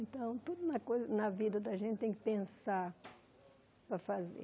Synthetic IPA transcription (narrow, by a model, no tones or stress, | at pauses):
ẽnt̪ɐ̃w̃t̪ud̪ʊnɐkojzɐnɐvid̪ɐd̪ɐʒẽnt̪t̪ẽj̃kɪpẽsaɾ | pɾɐfazḛ